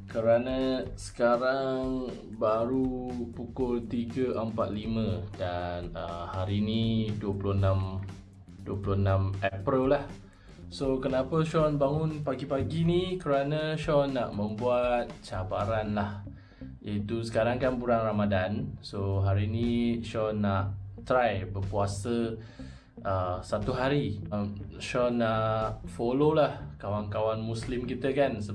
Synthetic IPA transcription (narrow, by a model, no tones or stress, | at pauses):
kəɾanasə̥kaɾaŋ | baɾupukʊlt̪iɡəʔəmpat̪̚limə̃danəhaɾiniduəpuluhnãm | duəpuluhnãmɛpɾillah | sokənapəʃɔnbaŋʊnpaɡipaɡinikəɾanə̃ʃɔnaʔmə̃mbuat̪̚t͡ʃabaɾanlah | it̪usə̥kaɾaŋkanpuɾanramadansoɦaɾinĩʃɔnaʔt̪ɾajbəpuasə | əsat̪uɦaɾimʃɔnaʔʔfololahkawankawanmuslɪmkit̪əkansə